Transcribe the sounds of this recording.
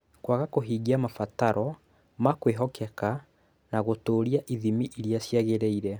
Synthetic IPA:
kwaɣakoɦiːɡiamafataɾɔ | makweɦɔkʰɛka | naɣotoːɾiaʔiðimiʔiɾjasjaɣeɾeiɾɛ

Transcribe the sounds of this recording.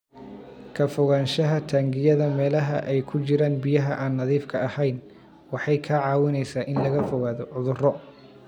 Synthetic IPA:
kʰɐfɔɣaːnʃɐɦɐt̪ʰaːŋɡɪjɐðɐmɛːlɐɦɐ̰ʔɛjkʰʊt͡ʃɪɾaːnbɪjɐɦɐʔaːnːɐðiːfkʰɐɐhɛjn | wɑħɑjkʰɐʕɑːwɪnɛjsaːʔɪnlɐɣɐfɔɣaːðɔʕʊðʊrɔ

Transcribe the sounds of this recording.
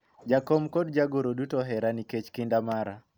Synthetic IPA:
d͡ʒakɔmkɔdd͡ʒaɡoɾodutɔɦɛɾaniket͡ʃkindamaɾa

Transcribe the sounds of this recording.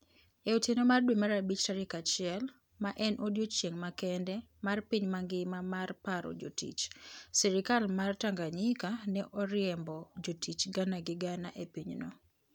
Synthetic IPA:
eutenomardwemaɾabit͡ʃtaɾikat͡ʃɪɛl | maʔɛnʔodjot͡ʃjeŋmakɛndɛmarpiɲmaŋɡɪmamarpaɾɔ̰d͡ʒo̰tḭt͡ʃsɛɾɪkalmartaŋɡaɲɪkanɛʔɔɾɪɛmbɔd͡ʒotit͡ʃɡanaɡɪɡana̰ʔepiɲno̰

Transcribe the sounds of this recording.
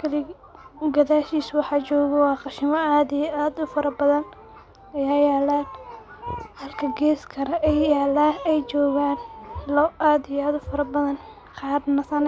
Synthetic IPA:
kʰɐlɪ | ɡɐðaːʃiːswɑħɑːt͡ʃɔːɣɐwɑːqɑʃɪmɐaːd̪ijʔaːd̪ʊfɐɾɐbɐðɐn | ɐjaːjaːlaːn | hɐlkʰɐɡɛːskʰɐɾɐʔɛjaːlaːɛjt͡ʃɔːɣaːnlɔʔaːd̪ɪjaːd̪ʊfɐɾɐbɐðɐn | qɑːdnɐsɐn

